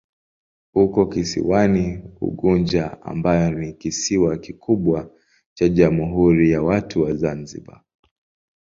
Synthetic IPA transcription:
hukɔkisḭwaniṵɠund͡ʒaa̰mbajɔnikisiwakikʰuɓwa | t͡ʃaʄamuɦuɾijawatʰuwazanzḭɓa̰

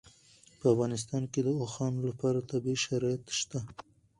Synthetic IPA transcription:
pəafɣɑnɪs̬t̪ɑnked̪əoxɑnlapɑɾat̪abiʃaɾɑjat̪ʃt̪a

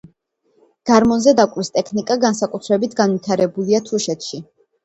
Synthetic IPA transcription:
ɡ̥aɾmɔnzɛd̪akʼɾist̪ʼɛkʰnikʼaɡansakʼut̪ʰɾɛbit̪ʰɡanvit̪ʰaɾɛbuliat̪ʰuʃɛt̪ʰʃi

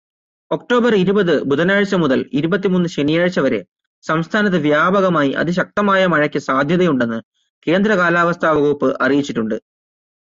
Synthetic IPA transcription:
o̞k̚ʈo̞ːbɐriɾubɐðɨbud̪ɐnaːɻt͡ɕːɐmuðɐliɾubɐt̪̬ːimuːnːɨɕenijaːɻt͡ɕːɐʋɐɾḛ | sɐmst̪ʰaːnɐt̪̬ːɨʋjaːbɐɣɐmaːjiʔɐ̰ðiɕ̬ɐk̚t̪ɐmaːjɐmɐɻɐkʲːɨsaːd̪ʱjɐðɐjuɳɖe̞nːɨ | ke̞ːnd̪ɾɐkaːlaːʋɐst̪ʰaːʋɐɡupːɨʔɐrijit͡ɕːiʈːuɳɖɨ

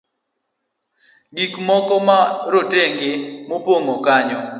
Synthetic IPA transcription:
ɡikmɔkɔmaɾoteŋɡɪmopoŋokaɲɔ

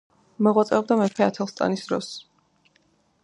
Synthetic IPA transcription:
mɔʁwat̪sʼɛɔbd̪amɛpʰɛat̪ʰɛlˠst̪ʼa̰nisd̪ɾɔ̰s

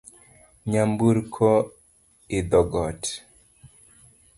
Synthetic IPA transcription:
ɲambuɾkʰɔ | ɪd̪ɔɡɔt

